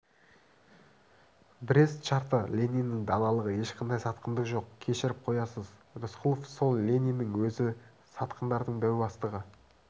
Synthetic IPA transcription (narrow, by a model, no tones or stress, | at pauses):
bɪɾʲest̪ʃɑɾt̪əlʲenʲijnɪŋd̪ɑlˠɑlˠəʁəje̞ʃqʰɑnd̪ɑjsɑt̪qənd̪əqʒo̞qkʲʰe̞ʃɪɾɪp̚qʰo̞jɑsəzɾʊsqʰʊlˠofso̞lˠlʲenʲijnɪŋwɵzɪ | sɑt̪qənd̪ɑɾd̪əɴd̪æwbɑst̪əʁə